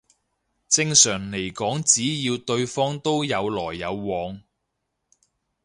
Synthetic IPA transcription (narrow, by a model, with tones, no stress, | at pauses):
t͡sɪ˧ŋsœː˨˩ŋle˨˩jkɔː˨˥ŋt͡siː˨˥jiː˧wt̪ɵ˧ɥfɔː˥ŋt̪o˥wjɐ˨˧wlɔː˨˩jːɐ˨˧wːɔː˨˧ŋ